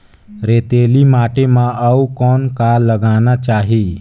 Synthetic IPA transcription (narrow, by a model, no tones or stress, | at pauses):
ɾeːt̪eːlimaːʈemãʔəukɔːnkaːllːəɡaːnat͡ʃaːɦi